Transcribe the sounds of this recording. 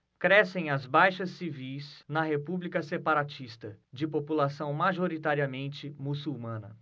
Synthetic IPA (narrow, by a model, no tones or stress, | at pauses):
kɾɛsẽj̃ɐzbajʃɐsːivijsnɐɦepublikɐsepaɾat͡ʃist̪ɐd͡ʒɪpopulasɐ̃w̃maʒoɾit̪aɾiɐmẽnt͡ʃɪmusuwmɐ̃nɐ̰